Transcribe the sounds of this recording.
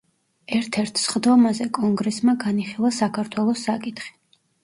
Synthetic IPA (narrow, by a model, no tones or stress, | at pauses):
ɛɾt̪ʰɛɾt̪ʰsχd̪ɔmazɛkʼɔŋɡɾɛsmaɡaniχilˠasakʰaɾt̪ʰwɛlˠɔsːakʼit̪χi̥